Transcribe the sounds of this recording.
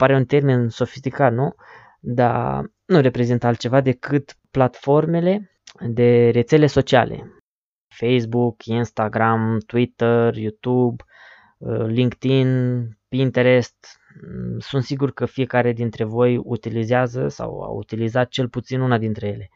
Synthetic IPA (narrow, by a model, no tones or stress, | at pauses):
paɾe̞unt̪e̞rminso̞fist̪ikat̪nu | d̪a̰ | nuɾe̞pɾe̞zint̪əalt̪t͡ʃe̞vad̪e̞kɨt̪plat̪fo̞rme̞le̞ | d̪e̞ɾe̞t̪se̞le̞so̞t͡ʃia̰lʔe̞̰ | fejs̬bukinst̪aɡɾamt̪wit̪ərjut̪ub | əliŋkt̪inpint̪eɾest̪ | sunt̪siɡurkəfije̞kaɾe̞d̪int̪ɾe̞vo̞jṵt̪ilizeazəsa̰wa̰ṵt̪ilizat̪̚t͡ʃe̞lput̪sinunad̪int̪ɾe̞je̞le̞